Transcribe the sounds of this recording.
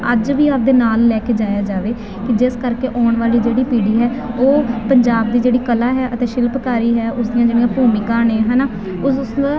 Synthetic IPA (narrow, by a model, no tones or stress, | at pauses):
əd͡ʒʋiːap̚d̪eːnaːlːɛːkeːd͡ʒaːjaːd͡ʒaːʋeː | kɪd͡ʒɪskəɾkeːʔɔːɳʋaːliːd͡ʒeːɽiːpiːɽiːɦɛːoːpəɲd͡ʒaːb̚d̪iːd͡ʒeːɽiːkəlaːɦɛːʔət̪eːʃɪlpkaːɾiːɦɛːʔʊsd̪ijãːd͡ʒeːɽijãːpuːmɪkãːneːɦɛːnaː | ʊsʊsd̪aː